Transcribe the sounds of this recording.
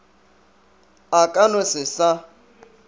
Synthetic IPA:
akʼanʊsɪsa

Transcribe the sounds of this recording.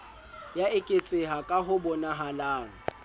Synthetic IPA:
jaɪkʼɪt͡sʼɪɦakʼaɦʊbɔnaɦalaːŋɔ

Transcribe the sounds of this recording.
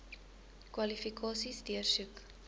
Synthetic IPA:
kwɐlifikʰɑːsisdiərsʉk

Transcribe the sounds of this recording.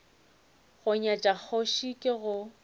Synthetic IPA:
ɣʊɲat͡ʃʼak͡xʰoʃikʼɪɣʊ

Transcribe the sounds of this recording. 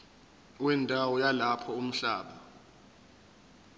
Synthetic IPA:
wɛndʱawɔjalapʰɔum̩ɬaːɓa

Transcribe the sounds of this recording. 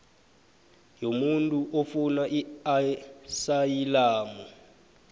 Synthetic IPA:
jomuntʼuʔofunaʔiasajilaːmɔ

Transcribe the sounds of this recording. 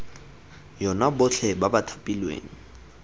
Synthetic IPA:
jɔnabʊt͡ɬʰɛbabatʰapʼilwḛːŋ̩

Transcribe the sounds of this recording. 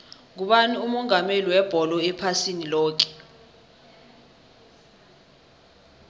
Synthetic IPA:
k̬uɓaniumɔŋameliwɛb̥ʱɔlɔɛpʰasinilɔːk̬ɛ̥

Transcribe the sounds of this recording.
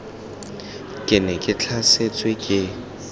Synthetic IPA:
kʼɪnɛkʼɪt͡ɬʰaset͡sʼwekʼɪ

